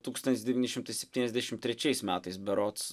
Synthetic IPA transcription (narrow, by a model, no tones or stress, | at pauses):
t̪uːkst̪ɐnt̪ʲɪsd̪ʲɛʋʲiːnʲɪʃʲɪmt̪ɐɪsʲɛp̚ʲt̪ʲiːnʲɛzʲd̪ʲæʃʲɪmt̪ʲːɾʲɛt͡ʃʲɛɪsmʲæːt̪ɐɪsbʲɛɾott̪s